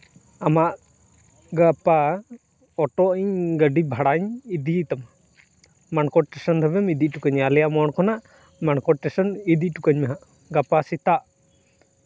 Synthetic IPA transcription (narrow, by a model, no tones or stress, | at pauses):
amaʔ | ɡapa | ɔʈɔʔiɲɡəɖibʱaɽaɲid̪it̪am | mankɔʈʈɛsɔnd̪ʱɔbɛmid̪iʔʈukəɲalɛjaʔmɔɳkʰɔnaʔ | maɳkɔʈ̚ʈɛsɔnid̪iʈukaɲmɛɦaʔ | ɡapasit̪aʔ